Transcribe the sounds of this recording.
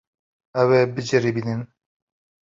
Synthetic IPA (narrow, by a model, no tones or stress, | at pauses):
ɛwebɨd͡ʒɨɾibiːnɨn